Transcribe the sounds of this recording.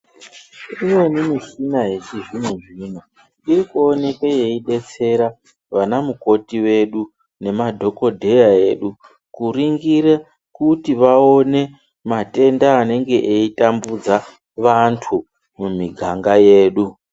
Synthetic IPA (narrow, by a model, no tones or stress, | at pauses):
rimwenimiʃinaɦeʐiʐimeʐin̤a | irikuone̞kaje̞iɗe̞t͡se̞ɾa | ʋanamuko̞tiwe̞ɗu | ne̞madʱo̞ko̞dʱe̞jae̞ːɗu | kuriŋɡiɾe | kutiʋao̞ne̞ | mate̞ndaːne̞ŋɡe̞ʔeitambud͡za | ʋantʰu | mumiɡʱaŋɡaje̞ːɗu